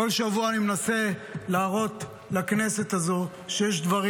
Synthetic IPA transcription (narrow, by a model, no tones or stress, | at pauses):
olʃavuaːnimenase̞laːʁo̞t̪ | lakne̞se̞t̪azo̞ | ʃejeʃd̪vaʁi